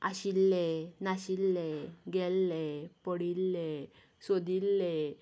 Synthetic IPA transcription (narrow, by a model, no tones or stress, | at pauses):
aɕilːɛnaɕilːɛɡɛlːɛpəɽilːe | sod̪ilːe